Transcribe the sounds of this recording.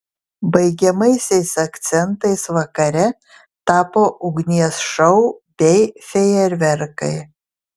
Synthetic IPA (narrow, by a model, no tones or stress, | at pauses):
bɐɪɡʲɛmɐɪsʲɛɪsɐkt̪sʲɛnt̪ɐɪsʋɐkɐɾʲɛ | t̪ɑːpoːʔʊɡnʲiɛsʃɐʊb̥ʲɛɪfʲɛjɛɾʲʋʲɛɾkɐɪ